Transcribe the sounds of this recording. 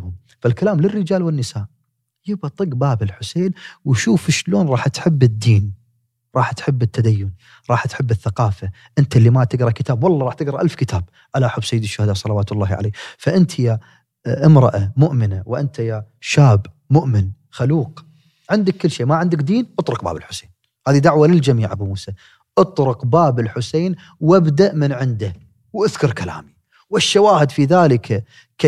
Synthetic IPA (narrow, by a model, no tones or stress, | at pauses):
hʊm | falkalaːmlɪrːɪd͡ʒaːlwɪnːɪsaːʔ | jɪbt̪ˤɨɡbaːbɪlħʊseːnwʃuːfɪʃloːnɾˤɑːħt̪ħɪbːɪd̪ːiːn | ɾˤɑːħt̪ħɪbːɪt̪ːad̪ajːʊn | ɾˤɑːħt̪ħɪbːɪθːaqɑːfa | ʔɪnt̪alːimat̪ɪɡɾˤɑkɪt̪aːbwɑlˤːɑɾˤɑːħt̪ɪɡɾˤɑʔalfkɪt̪ʰaːb | ʔalaʔħʊbːsajːɪd̪ɪʃːʊhad̪aːsˤɑlawaːt̪ʊlːɑːhʕa̰leːfaʔɪnt̪ʰja | ʔɪmɾˤɑ̰ʔamʊʔmɪnawʔɪnt̪ʰajaʃaːb | mʊʔmɪn | xaluːq | ʕɪnd̪akːɪlːʃiːmaʕɪnd̪ɪkd̪iːnʔɨt̪ˤɾʊq̚ba̰ːbɪlħʊ̥seːn | haːðid̪aʕwalɪld͡ʒamiːʕabmuːsa | ʔɨt̪ˤɾʊqbaːbɪlħʊseːn | wabd̪aʔmɪnʕɪnd̪a | wʔɪðkʊɾˤkala̰ːmi | wɪʃːawaːhɪd̪fiðaːləkʰa | k